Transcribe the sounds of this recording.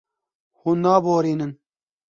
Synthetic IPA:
huːnnːaːboːɾiːnɨn

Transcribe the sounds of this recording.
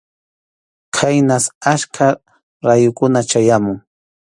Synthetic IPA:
kʰajnasaʃkʰa | ɾajʊkʊnat͡ʃajamʊŋ

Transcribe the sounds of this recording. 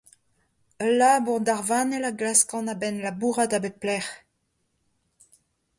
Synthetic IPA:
əlːabuʁdaʁvaːnɛlaɡlaskɑ̃nabɛnlabuːʁadabeplɛχ

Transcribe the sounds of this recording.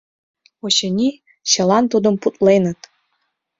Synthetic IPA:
oɕɤ̆nʲi | ɕɤ̆lɑnt̪ud̪ə̆mput̪lenə̆t̪

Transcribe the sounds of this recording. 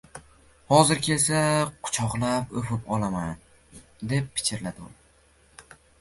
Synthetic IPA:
hɒzɪɾkʲʰesaqʰʊ̥t͡ʃʰɒqlˠapɵfɪpɒlˠaman | d̪e̞p̚ʰːɪ̥t͡ʃʰɪɾlad̪ʊm

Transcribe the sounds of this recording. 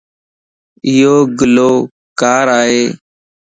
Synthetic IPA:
ɪjoːɡloː | kaːɾaːɦeː

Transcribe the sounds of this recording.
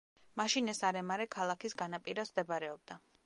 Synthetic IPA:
maʃinɛsaɾɛmaɾɛkʰalˠakʰisɡanapʼiɾasd̪ɛbɾɛɔb̚d̪a

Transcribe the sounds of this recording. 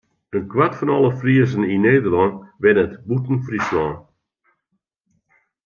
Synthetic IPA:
ənkwatfɔnɔlˠəfriəzənineːdərlɔnʋɛdətbutn̩frislɔn

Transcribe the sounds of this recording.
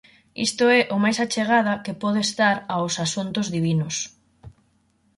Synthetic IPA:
ḭst̪ʊɛʔomajsat͡ʃeɣ̞aðakepɔðeːst̪aɾawsasunt̪ʊzðiβinʊs

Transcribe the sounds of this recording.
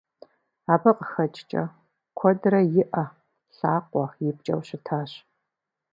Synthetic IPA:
aːbɐqəxɐt͡ʃʼt͡ʃʼɐ̰ | kʷʰɔdɾɐjɪʔɐ | ɬaːqʷɔjɪp̚t͡ʃʼɐ̰wɕɪtʰaːɕ

